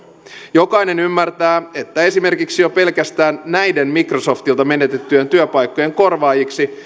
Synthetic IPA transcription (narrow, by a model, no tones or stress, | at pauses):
jo̞kɑjne̞nymːært̪æːe̞t̪ːæe̞sime̞rkiksijope̞lkæst̪æːnːæjde̞mmikroso̞ft̪ilt̪ɑme̞ne̞t̪e̞t̪ːye̞nt̪yøpɑjkːo̞je̞ŋko̞rʋɑːjiksi